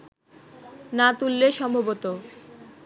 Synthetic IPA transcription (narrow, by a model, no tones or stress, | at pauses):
nat̪ulːeʃɔmbʱobot̪o